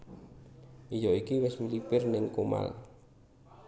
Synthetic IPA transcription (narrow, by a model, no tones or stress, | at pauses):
ʔijɔikiwɛsmulipɪrnɛŋkoma̰l